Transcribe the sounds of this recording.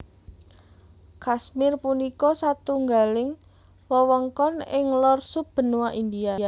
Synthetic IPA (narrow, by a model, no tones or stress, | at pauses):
kasmɪrpunikɔsat̪uŋɡalɪŋ | wɔwɔŋkɔnɪŋlɔrsub̥ə̤nuwaʔind̪iaa